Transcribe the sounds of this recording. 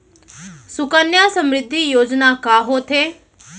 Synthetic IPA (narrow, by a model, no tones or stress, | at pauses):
sʊkənjasəmɾɪd̪ʱːijoːd͡ʒnakaːɦoːt̪ʰeː